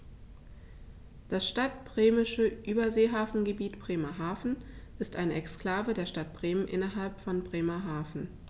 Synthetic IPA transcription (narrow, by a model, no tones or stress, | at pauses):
d̥asʃtat̚b̥ʁeːmɪʃəʔyːbɐzeːɦaːfn̩ɡəbiːtb̥ʁ̥eːmaɦaːfn̩ʔɪstʔaɪnəɛkskl̥aːvədeːɐʃtat̚b̥ʁeːmənʔɪ̰nɐɦalpfɔnbʁeːmaɦaːfn̩